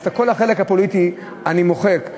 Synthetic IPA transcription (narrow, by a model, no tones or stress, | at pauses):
sako̞laχe̞le̞khapo̞lit̪i | animoχe̞k